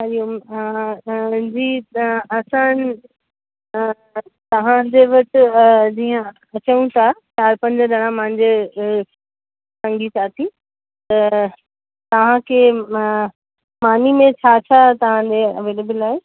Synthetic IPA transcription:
ɦaɗijum | d͡ʑiːɐsã | t̪ɐʋ̤ãd͡ʑeʋɐt͡ɕɪd͡ʑiːə̃ | ɐt͡ɕəjũt̪ʰat͡ɕaːɾpɐ̃ɲd͡ʑəɗɐɽ̃ãmãɦɪ̃ɲd͡ʑe | sɐ̃ŋɡisaːt̪ʰi | t̪ɐ | t̪ɐʋ̤ãkʰeː | maːnimẽt͡ɕʰaːt͡ɕʰat̪ɐʋ̤ãd͡ʑeɐʋeːleːbəlaːe

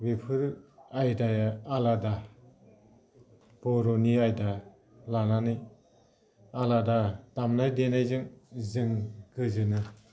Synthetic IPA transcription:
wipʰɯɾajdajaalada | b̥ɔɾoniajda | lananɯj | aladadamnajdenajzɯŋzɯŋɡɯzɯnɯ

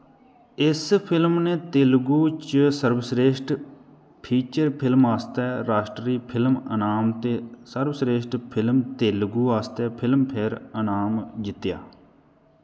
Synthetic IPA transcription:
ɪspʰɪlmneːt̪eːlɡuːt͡ʃsəɾbsɾeːʃʈ | pʰiːt͡ʃəɾpʰɪlmaːst̪ɛːɾaːʃʈɾiːpʰɪlmə̰naːmt̪eːsəɾbsɾeːʃʈpʰɪlmt̪eːlɡuːaːst̪ɛːpʰɪlmpʰeɾənaːmd͡ʒɪt̪ːja̰ː

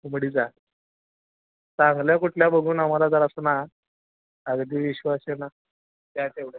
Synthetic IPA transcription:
uməɽid͡za | t͡saŋɡljakuʈʰljabəɡʱuːnamalad͡zaɾasəna | əɡd̪iːʋiɕʋasena | t̪jat̪eʋɽe

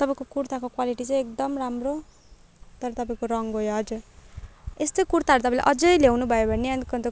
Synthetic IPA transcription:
t̪ʌpaĩkokuɾt̪akokwaliʈit͡sʌ̃j̃ek̚d̪ʌmramro | t̪ʌɾʌt̪ʌpaĩkoɾʌŋɦojoʌd͡zur | est̪ojkuɾt̪aʌɾut̪ʌpãĩla̰ʔʌd͡zʌjlewnubʱʌjobʱʌneankʌnt̪o

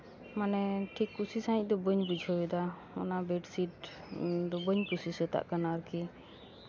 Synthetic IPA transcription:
manɛʈʰikːusisãĩc̚ˀd̪ɔbəɲbud͡ʒʱɔɛd̪a | ɔ̰nabɛʈsiʈ | d̪ɔbəɲkusisət̪a̰ʔkanaɾki

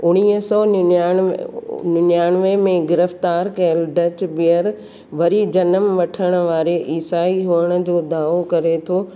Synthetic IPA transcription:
ʊɽ̃iːəsɔna | nʊnjaːñʋemẽɡɪɾəft̪aːɾkɐəlɖɐt͡ɕbijəɾ | ʋɐɾid͡ʑɐnəmʋɐʈʰəɽ̃ʊ̆ʋaːɾeʔiːsaːiɦuəɽ̃ʊ̆d͡ʑoːd̪aːokɐɾet̪ʰoː

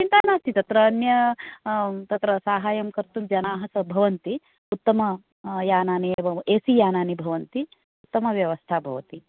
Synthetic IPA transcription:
t͡ʃint̪aːnaːst̪ʰit̪ɐt̪ɾɐːnjɐ | t̪ɐt̪ɾɐsaːɦaːjɐmkɐɾt̪umd͡ʒɐnaːɦɐsɐbʱɐʋɐnt̪i | ut̪ːɐmɐ | jaːnaːnijbʱɐeːsijaːnaːnibʱɐʋɐnt̪i | ut̪ːɐmɐʋjɐʋɐst̪ʰaːbʱɐʋɐt̪i

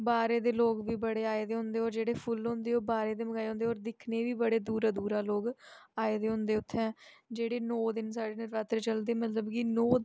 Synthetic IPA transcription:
baːɾeːd̪eːloːɡʋiːbəɽeːaːed̪eːɦʊ̃nd̪eːoːɾd͡ʒeːɽeːpʰʊlɦõnd̪eːoːbaːɾeːd̪eːməɡaːeɦʊ̃nd̪eːɔːɾd̪ɪkʰneːʋiːbəɽeːd̪uːɾaːd̪uːɾaːloːɡaːeːd̪eːɦʊ̃nd̪eːʊt̪ʰːɛ̃ːd͡ʒeːɽeːnɔːd̪ɪnsaːɖeːnɪɾʋaːt̪ɾːt͡ʃəld̪eːmət̪ləbkɪnɔː

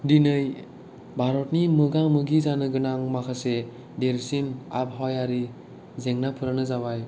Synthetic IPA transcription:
dinɯj | bʱaɾɔt̚nimɯɡaŋmɯɡizanɯɡɯnaŋmakʰase | deɾsina̰p̚ɦɔjaɾi | zeŋnapʰɯɾanɯzawaj

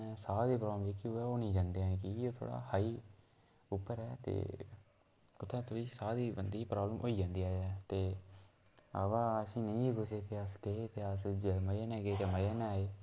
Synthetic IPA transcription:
saːd̪eːpɾaːbəmd͡ʒeːkioɛːoːnĩːd͡ʒãːnd̪eaːnːkiioːt̪ʰo̰ːɽa̰ːhaːiː | ʊpːəɾɛːt̪ḛː | ʊt̪ʰːɛ̃ːt̪ʰoːɽiːsaːd̪iːbənd̪iːpɾaːbləmʔoːiːd͡ʒãːnd̪iːaːɛːt̪eː | ə̰baːəsĩːnəĩːɡʊseːt̪eːəsɡeet̪eːəsd͡ʒeməjeːnɛ̃ːɡeːt̪eːməjaːnaːeː

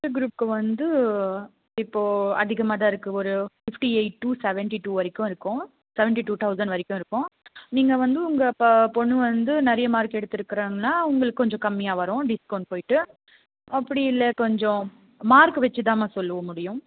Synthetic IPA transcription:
ɯɡɾuːp̚kɯʋɐnd̪ɯ | ɪpːoːɐ̰ðɪɣɐmaːðaːɪɾɯkːɯɔɾɯfɪfʈieɪʈːusɛʋɛɳʈiʈuːʋɐɾɪkːʊ̃ɪɾɯkːʊ̃ | sɛʋɛɳʈiʈuːt̪ʰɐʊsɐɳɖʋɐɾɪkʲːʊ̃ɪɾɯkːʊ̃niːŋɡɐʋɐnd̪ɯʊŋɡɐppɔɳːɯʋɐnd̪ɯnɛɾɐjɐmaːɾkɛɽɯt̪ːɪɾɯkːɪɾaːŋɡɐnːaːʊŋɡɐɭɯkːɯkɔɲd͡ʒɔ̃kɐmːɪjaːʋɐɾʊ̃ːɖɪskɐːɳɖpoːjɪʈːɯ | ɐpːɐɽɪɪlːɛkɔɲd͡ʒɔ̃ | maːɾkɯʋɛt͡ʃːɯt̪aːmaːsɔlːɯʋɐmʊɽɪjʊ̃

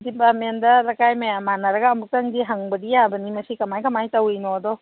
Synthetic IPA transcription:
dipamendɐlɐkajmajamanɐɾɐɡɐɐmuk̚tɐŋdiɦaŋbɐdijabɐnimɐsikɐmajkɐmajtɐwinodɔ

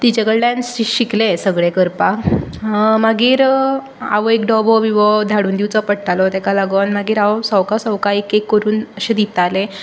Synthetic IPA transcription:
t̪it͡ɕaɡəɭlãnsɕiklesəɡɭekəɾpa | maɡiːɾ | a̰ʋɔekɖɔbɔʋiʋɔd̪ʱaɽuːnd̪iwt͡sɔpəɽʈalɔt̪ɛkalaɡʋanmaɡiːɾaʋɔsɔwkasɔwkaekekːəɾuːnəɕed̪it̪ale

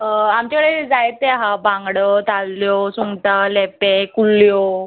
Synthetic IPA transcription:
əamt͡ɕakɭed͡zajt̪eaɦabãŋɡɽot̪alːjosuŋɡʈalepekuljo

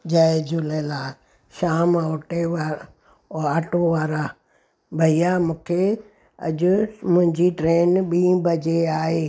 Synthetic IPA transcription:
d͡ʑaːed͡ʑʊlelaː | ʃaːmoʈeʋa | aːʈoʋaːɾaː | bʱɐijaːmũːkʰe | ɐ̰ʄʊmʊ̃ɦɪ̃ɲd͡ʑiʈɾeːnɓĩːbʱɐd͡ʑeaːɦeː

